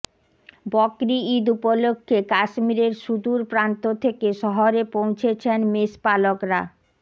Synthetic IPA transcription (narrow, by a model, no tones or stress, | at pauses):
bɔkɾiid̪upolokʰːekaʃmiɾeɾʃud̪uɾpɾant̪ot̪ʰekeʃɔɦoɾepõw̃t͡ɕʰet͡ɕʰenmeʃpalokɾa̰